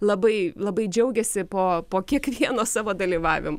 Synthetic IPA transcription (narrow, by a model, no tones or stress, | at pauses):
lˠɐbɐɪlˠɐbɐɪd͡ʒʲɛʊɡʲɛsʲɪpoːpoːkʲiɛkʋʲiɛnoːsɑːʋoːd̪ɐlʲiːʋɑːʋʲɪmo